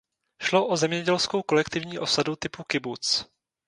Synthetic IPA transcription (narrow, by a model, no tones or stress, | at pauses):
ʃlo̞ʔozɛmɲɛɟɛlsko̞wko̞lɛkt̪ɪvɲiːʔo̞sadut̪ɪpukɪbut͡s